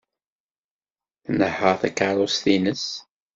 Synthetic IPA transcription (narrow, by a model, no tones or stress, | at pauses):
θnəħəʁθækaɾˤusθinəs